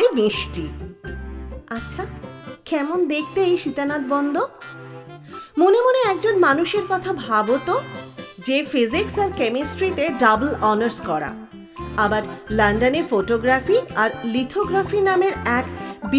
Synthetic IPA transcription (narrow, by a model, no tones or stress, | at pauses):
emiʃʈi | atːɕʰakɛmond̪ekʰt̪ejʃit̪anad̪bɔnd̪o | monemoneɛk̚d͡ʑonmanuʃeɾkɔt̪ʰabʱabot̪od͡ʑefiziksaɾkemisʈɾit̪eɖablɔnəɾskɔɾa̰ | abaɾlanɖaneɾfoʈoɡɾafiaɾlit̪ʰoɡɾafinameɾɛkb